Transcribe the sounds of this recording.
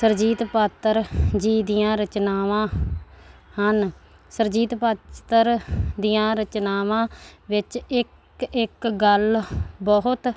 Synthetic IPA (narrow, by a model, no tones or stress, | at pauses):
səɾd͡ʒiːt̪paːt̪ːəɾd͡ʒiːd̪ɪjãːɾət͡ʃnaːʋãː | hən | səɾd͡ʒiːt̪paːtt̪əɾd̪ɪjãːɾət͡ʃnaːʋãːʋɪt͡ʃɪk | ɪkɡəlbɔɦʊt̪